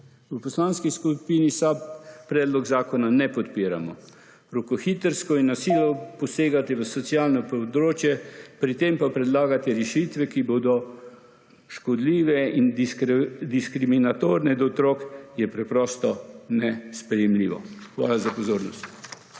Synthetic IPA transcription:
upɔslaːnskiskupinisapɾɛːd̪lɔɡzaːkɔnanɛpɔt̪piːɾamɔ | ɾokɔxiːt̪əɾskɔjinasiːlɔpɔseːɡat̪ɛʋəsɔt̪sjaːlnɔpɔwd̪ɾoːt͡ʃjɛpɾit̪empapɾɛd̪laːɡat̪ɛɾɛʃit̪ʋɛkiboːd̪ɔ | ʃkɔd̪liːʋɛin | d̪iskɾiminat̪oːɾnɛd̪ɔt̪ɾoːkjɛpɾɛpɾɔːst̪ɔnɛspɾɛjɛmlḭːʋɔ̰xʋa̰ːlazapɔzoːɾnɔst̪

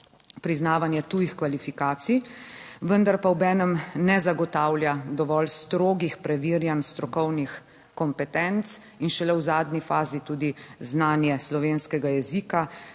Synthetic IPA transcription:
pɾiznaːʋanjɛt̪uːjixkʋalifikaːt̪sijʋənd̪aɾpaɔbɛːnɛmnɛzaɡɔt̪aːwljad̪ɔʋɔlst̪ɾoːɡixpɾɛʋiːɾjanst̪ɾɔkɔwnix | kɔmpɛt̪ɛnt̪s | inʃɛlɛwzaːd̪nifaːzit̪uːd̪iznaːnjɛslɔʋenskɛɡajɛziːka

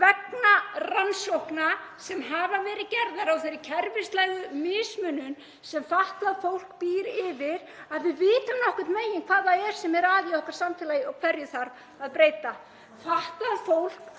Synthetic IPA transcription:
vɛknaransowhknasɛmɦaːvavɛːɾɪðcɛɾðaɾawθejɾɪ̥ɾcʰɛɾvɪst̪lɛjɣʏmɪːsmʏnʏn | sɛmfaht̪laðfowl̥kpiːɾɪvɪɾ̥ | aðvɪðvɪːt̪amnɔhkʏt̪meːjɪnkʰvaːðaɛɾ̥sɛmɛɾaːðjɔhkaɾ̥samt̪ʰɪlajɔɣkʰvɛɾjʏθaɾ | aðpɾeːjt̪a | faht̪laðfowl̥k

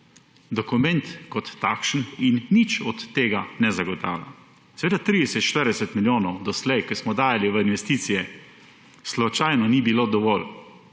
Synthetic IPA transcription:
d̪ɔkumɛnt̪kɔt̪ːa̰ːkʃəninːit͡ʃɔt̪ːeːɡanɛzaɡɔt̪a̰ːwlʲa̰ | sɛʋeːd̪at̪ɾiːd̪ɛsət̪ʃt̪əɾd̪ɛsət̪miljoːnɔwd̪ɔslɛjkəsmɔd̪aːjaliʋəinʋɛst̪iːt̪sijɛ | slɔt͡ʃajnɔnibiloːd̪ɔʋɔl

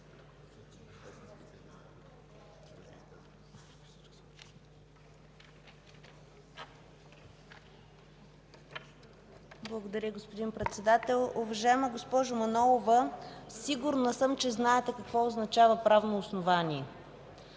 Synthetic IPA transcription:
blˠɐɡod̪ɐɾʲəɡospʊd̪inpɾɛt̪sɛd̪at̪ɛlˠʊvɐʒaɛməɡospɔʒʊmɐnɔlˠovəsiɡʊɾnəsɤmt͡ʃɛznaɛt̪ɛkɐkvɔʊznɐt͡ʃavəpɾavnoːsnovanʲiɛ

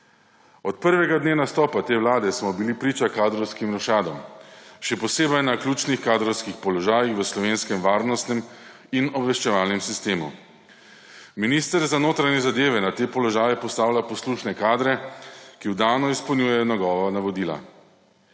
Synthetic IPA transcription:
ɔt̪̚pəɾʋɛɡad̪neːwnast̪ɔːpat̪eːʋlaːd̪ɛsmɔbilipɾiːt͡ʃakaːd̪ɾɔwskimɾɔʃaːd̪ɔmʃɛpɔseːbajnaklʲuːt͡ʃnixkad̪ɾɔwskixpɔlɔʒaːjixʋəslɔʋeːnskɛmʋaːɾnɔst̪nɛm | inɔbʋɛʃt͡ʃɛʋaːlnɛmsist̪eːmṵ | miniːst̪əɾzanoːt̪ɾanjɛzad̪eːʋɛnat̪eːpɔlɔʒaːjɛpɔst̪aːwlʲapɔsluʃnɛkaːd̪ɾɛkiwd̪aːnɔispɔwnjuːjɛjɔnɛɡɔːʋanaʋɔd̪iːla̰

